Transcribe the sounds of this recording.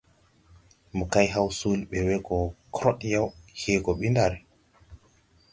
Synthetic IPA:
mukajɦawsulɓɛwɛɡɔkʰɾɔɗjawhɛːɡɔɓindaɾɛ

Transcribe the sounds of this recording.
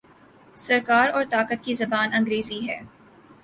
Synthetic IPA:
sɐɾkaːɾɔːɾt̪aːkət̪̚kizɐbaːnɐ̃ŋɡɾeːziɦɛː

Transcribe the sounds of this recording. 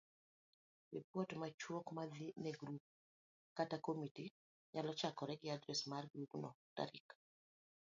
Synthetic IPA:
wipɔtmat͡ʃwɔkmadinɛɡɾup̚ | katakomiti | ɲalɔt͡ʃakɔɾɛɡiadɾɛsmaɾɡuɡnɔta̰ɾḭk

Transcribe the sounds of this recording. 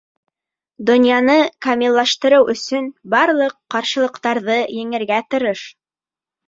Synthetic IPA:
d̪ŏnjɑnɤkɐmʲilˠːɑʃt̪ɤ̆ɾɤwʔɵ̆sɵnbɑɾlˠɤqːɑɾʃɤ̆lˠɤ̆qt̪ɑɾðɤjɘ̆ŋɘ̆ɾɡæt̪ɤ̆ɾɤʃ

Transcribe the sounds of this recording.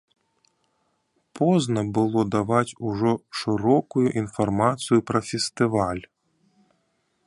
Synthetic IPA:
pʰɔznɐbɨlˠɔd̪avat͡sʲuʐɔʂɨɾɔkujuʔinfarmat̪sɨjupɾɐfʲɛst̪ɨvalʲ

